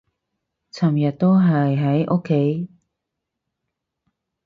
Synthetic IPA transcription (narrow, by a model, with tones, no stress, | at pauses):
t͡sʰɐ˨˩mjɐ˨˩t̚t̪o˥wɦɐ˨jɦɐ˨˥jʔɔ˥kʰːe˨˥j